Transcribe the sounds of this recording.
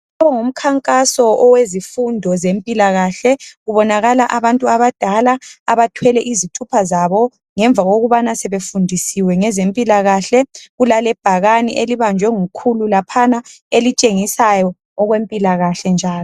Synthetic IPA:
aβɔŋum̩kʰaŋkʼasɔʔɔwezifundʱɔzempʼilaɣaɬɛɣuβɔnaɣalaʔaβantʼuaβad̥ʱalaaβatʰwɛlɛʔizitʰupʰazaβɔ | ŋɛɱbvʱaɣoɣuβanasɛβefundʱisiwɛŋɛzempʼilaɣaɬɛɣulalɛb̥ʱaɣanḭʔeliβand͡ʒʱwɛŋukʰululapʰanaelit͡ʃʼeŋisajɔ | ɔɣwempʼilaɣaɬɛnd͡ʒʱaːlɔ

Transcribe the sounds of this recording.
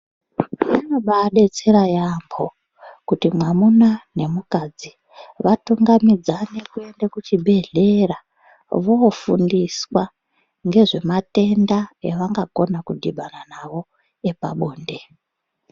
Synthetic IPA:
anoɓaɗe̞t͡seɾajambʰo̞ | kutimwamunane̞mukad͡zi | ʋatuŋɡamid͡zane̞kue̞ndekut͡ʃibʱe̞ɮe̞ra | ʋo̞fundiswa | ŋɡe̞ʐe̞mate̞ndaeʋaŋɡako̞nakudʱiɓananaʋo̞ | e̞pa̰ɓoːnde̞

